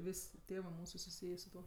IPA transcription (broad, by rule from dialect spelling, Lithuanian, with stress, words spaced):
ˈʋʲɪsʲ ˈtʲeːʋɜ ˈmuːsʊ sʊˈsʲiːjeː sʊ ˈtuɔ